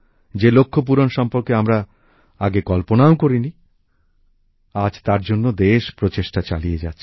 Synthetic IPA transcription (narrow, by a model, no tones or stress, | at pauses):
d͡ʑelokʰːop̬uɾonʃɔmpoɾkeamɾa | aɡekɔlponaokoɾini | ad͡ʑt̪aɾd͡ʑonːod̪eʃpɾot͡ɕeʃʈat͡ɕa̰lied͡ʑatːɕʰi̥